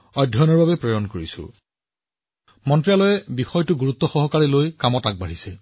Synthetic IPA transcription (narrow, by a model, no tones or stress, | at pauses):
ɔjdʱɔnɔɹbabɛpɹɔjɔnkoɹisʊ̰ | mɔntɹijalɔjɛbixɔjtʊɡuɹut̪ːɔxɔɦɔkaɹilojkamɔtak̚baɹisɛ